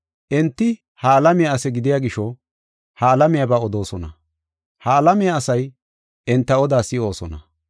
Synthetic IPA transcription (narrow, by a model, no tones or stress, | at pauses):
ʔɛnt̪ːɪ | haːlɐmɪjaɐsɛɡɪd̪ɪjaɡɪʃɔ | hɐːlɐmɪjɐbɐɔd̪o̞ːsɔnɐ̰ | haːlɐmɪjɐːsɐj | ʔɛnt̪ːɐɔd̪aːsɪo̞ːsɔnɐ